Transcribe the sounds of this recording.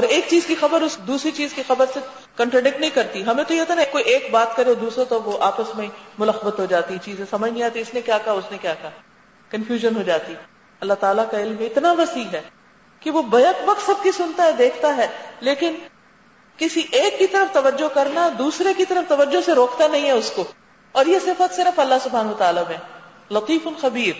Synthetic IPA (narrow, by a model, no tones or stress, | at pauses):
ɔːɾeːk̚t͡ʃiːzkixɐbəɾʊsd̪uːsɾit͡ʃiːzkixɐbəɾse | kɐ̃ɳʈɾɐɖɪk̚ʈnɐɦĩkɐɾt̪iɦɐmẽt̪ojeɦoːt̪anakːoːiʔeːkbaːt̪kɐɾeod̪uːsɾet̪oʋoʔaːpəsmẽĩmʊləxəbət̪ɦod͡ʒaːt̪it͡ʃiːzẽsɐməd͡ʒʱnɦĩaːt̪iʊsnekjaːkɐɦaʊsnekjaːkɐɦa | kɐ̃nfjuːʒənɦoːd͡ʒaːt̪i | ɐlːat̪aːlakaɪlmẽɪt̪naʋɐsiːɦɛː | kiʋobɐjəkbɐkt̪sɐb̚kisʊnt̪aɦɛd̪eːkʰt̪aɦɛːleːkɪn | kɪsiʔeːkːit̪ɐɾəft̪ɐʋəd͡ʒokɐɾnad̪uːsɾekit̪ɐɾəft̪ɐʋəd͡ʒːoseɾoːkt̪anɐɦĩɦɛʊsko | ɔːɾjesɪfət̪sɪɾəfɐlːaɦsʊbʱɦaːnʋət̪aːlamẽ | lɐt̪iːfʊnxɐbiːɾ